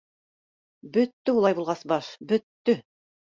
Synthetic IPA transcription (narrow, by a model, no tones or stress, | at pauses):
bɵ̆t̪ːɵulˠɑjbulˠʁɑsbɑʃbɵ̆t̪ːɵ